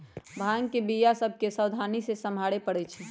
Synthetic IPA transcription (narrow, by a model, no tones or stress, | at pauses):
bʱaːŋkebijasəb̚ʱkesəwd̪ʱaːnisesəmʱaːɽepəɽɛt͡ʃʰɛ